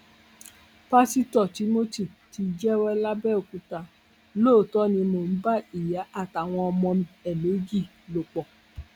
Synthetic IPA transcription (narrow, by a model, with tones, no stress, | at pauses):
pa˧˦si˦tɔ˦˨ti˨˦mo˦ti˦˨ti˧d͡ʒɛ˦wɛ˦la˦bɛ˦o˨ku˨˧ta˧ | loː˦˨tɔ˦nĩ˧mo˨n̩˦ba˦i˨ja˨˦ʔa˦˨ta˨w̃ɔ̃˧ɔ˧mɔ̃˧mĩ˧ɛ˨leo˨˦d͡ʒi˦˨ | lo˨k͡pɔ˨